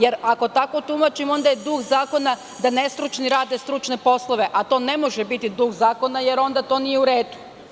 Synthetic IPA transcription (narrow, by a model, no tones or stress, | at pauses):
je̞ɾako̞t̪ako̞t̪umat͡ʃimo̞nd̪ajed̪uxzaːko̞na | d̪ane̞st̪ɾut͡ʃniɾaːd̪est̪ɾut͡ʃne̞po̞slˠo̞ʋe̞ʔat̪o̞ːne̞mo̞ʒebit̪id̪uɣzaːko̞najeɾo̞nd̪at̪o̞ːnije̞uɾeːd̪u̥